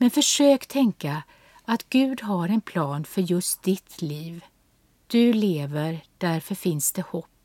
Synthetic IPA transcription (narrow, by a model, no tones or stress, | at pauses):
mɛnfœʂøːkt̪ʰɛŋka | at̪ɡ̥ʉ̟ːd̪ɦaɾɛnpʰlɑːnfœɾjɵst̪̚d̪̥ɪt̪ʰliːv | d̪̥ɵleːvəɾd̪̥æɾfœɾfɪnsd̪̥ɛhɔpː